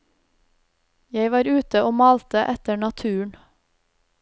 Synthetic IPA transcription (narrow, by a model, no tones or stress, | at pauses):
jæɪʋɑːɾʉːt̪əʔoːmɑːlt̪əʔɛt̪əɳɑt̪ʰʉːɳ